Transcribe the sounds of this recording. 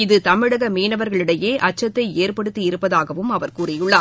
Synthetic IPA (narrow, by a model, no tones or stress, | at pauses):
ɪðɯt̪ɐmɪɽɐɣɐmiːnɐʋɐɾɣɐɭɪɽɐjeːʔɐt͡ʃːɐt̪ːɐɪeːɾpɐɽɯt̪ːiɪɾɯpːɐðaːɣɐʋɯmɐʋɐɾkuːrɪjʊɭːaː